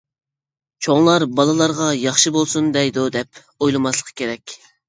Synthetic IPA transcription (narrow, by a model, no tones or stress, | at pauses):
t͡ʃʰoŋlˠɑɾbɑlˠɨlˠɑɾʁɑjɑχʃɨbolˠsund̪ɛjd̪ʊd̪ɛp | ojlˠɨmɑslˠəqʰə̥kʲʰeɾɛkʲ